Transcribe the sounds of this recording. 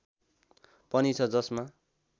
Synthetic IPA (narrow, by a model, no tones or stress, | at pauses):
pʌnit͡sʰʌd͡zʌsma